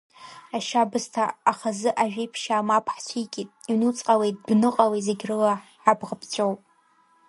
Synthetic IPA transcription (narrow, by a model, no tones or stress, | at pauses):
aʃabɨstʰaːχazɨʔaʒᶣijpʰʃaːmapʰħt͡ɕʷʰijkʲʼitʼinut͡sʼqʼawe̞jt̚ʼbnɨqʼawizeɡʲrɨlaħabʁəpʰt͡ɕʷʰʼowpʼ